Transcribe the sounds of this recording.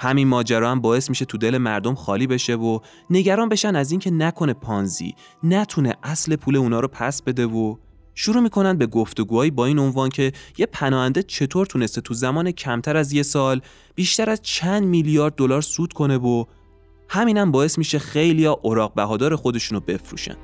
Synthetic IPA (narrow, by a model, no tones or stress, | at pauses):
hæminmɒːd͡ʒæɾɒːæmbɒːe̞smiʃe̞t̪ʰud̪e̞le̞mæɾd̪o̞mxɒːliːbe̞ʃe̞vo | ne̞ɟæɾɒːnbe̞ʃænæziːncʰe̞nækʰo̞ne̞pʰɒːnzḭː | næt̪ʰune̞̰ʔæsle̞pʰuːle̞unɒːɾopʰæsbe̞d̪e̞vo | ʃuɾuːmiːkʰo̞nænd̪be̞ɡoft̪o̞ɡuːhɒːjiːbɒːiːno̞nvɒːncʰe̞je̞pʰænɒːhænd̪et͡ʃʰe̞t̪ʰoɾt̪ʰune̞st̪et̪ʰuzæmɒːnecʰæmt̪ʰæɾæzje̞sɒːl | b̥iʃt̪æɾæz̥t͡ʃʰænd̪milijɒːɾd̪̚ːo̞lɒːɾsuːd̪̥kʰo̞ne̞vo | hæmiːnæmbɒːe̞smiʃe̞xejlijɒʔoɾɒːɣ̚bæɦɒːd̪ɒːɾe̞xo̞d̪e̞ʃuːnobe̞fɾṵːʃæ̰n